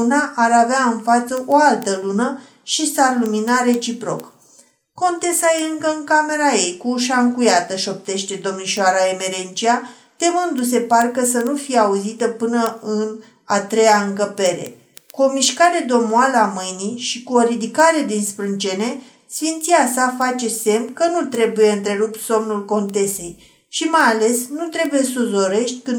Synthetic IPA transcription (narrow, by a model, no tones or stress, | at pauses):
naʔaɾaveaɨnfat̪səʔoalt̪əlunə | ʃisarluminaɾe̞t͡ʃipɾo̞̰k | ko̞nt̪e̞sajeɨŋkəɨŋkame̞ɾajejkuʃ̬aŋkujat̪əʃo̞p̚t̪e̞ʃt̪e̞d̪o̞mniʃaɾaeme̞ɾe̞nt͡ʃia | t̪e̞mɨnd̪us̬e̞parkəsənufijeauzit̪əpɨnəɨn | at̪ɾe̞jaɨŋkəpe̞ɾe̞̰ | kuo̞miʃkaɾe̞d̪o̞moaləamɨjniʃikuo̞ɾid̪ikaɾe̞d̪inspɾɨnt͡ʃe̞ne̞ | sfint̪siasafat͡ʃe̞se̞mkənut̪ɾe̞buje̞ɨnt̪ɾe̞ɾup̪so̞mnulko̞nt̪e̞se̞j | ʃimajale̞snut̪ɾe̞buje̞sozo̞ɾe̞ʃt̪ʲkɨn